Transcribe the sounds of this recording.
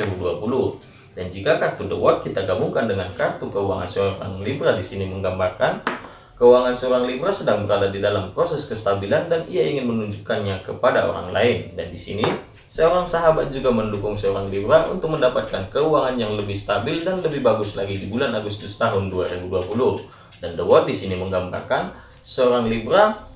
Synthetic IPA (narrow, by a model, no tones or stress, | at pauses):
ibuduapulʊ | dand͡ʒikakat̪udəwɔt̪̚kit̪aɡabuŋkandəŋankat̪ukəua̰ŋa̰nsəoɾa̰ŋlibɾadisiniməŋɡambarkan | kəuaŋansəoɾaŋlibɾasədaŋbəɾadadidalampɾosɛskəst̪abilandaniaiŋɪnmənuɲd͡ʒukanɲakəpada̰o̰ɾa̰ŋla̰ɪndandisḭni | səoɾaŋsaɦabat̪̚d͡ʒuɡaməndukʊŋsəoɾaŋlibɾaʔṵnt̪ʊk̚məndapat̪̚kankəuaŋanjaŋləbɪhst̪abɪldanləbɪhbaɡʊslaɡidibulanaɡust̪ʊst̪aɦʊnduaɾibuduapulu | dandəwɔrdisiniməŋɡamba̰rkan | səoɾaŋlibɾa